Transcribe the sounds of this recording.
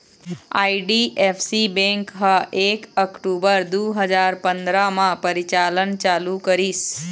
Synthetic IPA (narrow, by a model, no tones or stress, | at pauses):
aiɖiʔefʰsibɛ̃ŋkɦaʔekəkʈubəɾd̪uɦəd͡ʒaɾpənd̪ɾamãpəɾit͡ʃalənt͡ʃalukəɾis